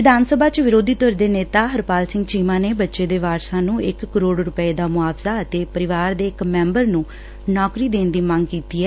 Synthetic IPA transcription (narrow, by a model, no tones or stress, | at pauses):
ʋɪd̪aːnsəbʱaːt͡ʃʋɪɾoːd̪ʱiːt̪oːɾd̪eːneːt̪aːɦəɾpaːlsɪ̃ŋɡt͡ʃiːmãːneːbətːʃeːd̪eːʋaːɾsãːnũːɪkːəɾoːɖɾʊpəeːd̪aːmʊaːbzaːət̪eːpəɾɪʋaːɾd̪eːɪkmɛ̃ːmbəɾnũː | nɔːkɾiːd̪eːnd̪iːmə̃ŋɡkiːt̪iːɦɛː